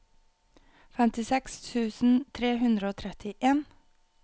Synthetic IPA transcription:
fɛmt̪ɪsɛkst̪ʰʉːsn̩t̪ʰɾeːhʉnd̪ɾəoːt̪ʰɾɛt̪ɪʔeːn

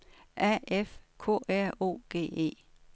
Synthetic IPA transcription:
ʔæefkʰɔ̰ːæɐ̰o̝̰ːɡ̥e̝̰ːe̝̰ː

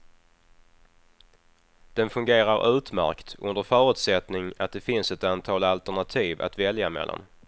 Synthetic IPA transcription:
d̪̥ɛnfɵŋɡeːɾaɾʔʉ̟ːt̪mæ̰ɾkt̪ɵ̰nd̪əɾfœːɾʉ̟ːt̪sɛt̪nɪŋat̪̚d̪ɛfɪnsɛt̪ant̪ʰɑːlalt̪æɳat̪ʰiːva̰t̪vɛljamɛ̰lːa̰n

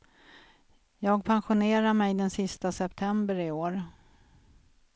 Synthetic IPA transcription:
jɑːɡpʰanɧʊneːɾaɾmɛjd̪ɛnsɪst̪asɛpt̪ʰɛmbəɾɪoːɾ

